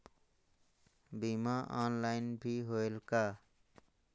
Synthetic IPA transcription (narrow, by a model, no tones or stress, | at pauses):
bimaʔa̰ːnlaːɪnbʱiɦoelkaː